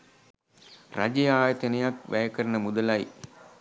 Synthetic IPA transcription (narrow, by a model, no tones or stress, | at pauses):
rad͡ʒejaːjət̪enəjakʋʔæjəkəɾənəmud̪əlaj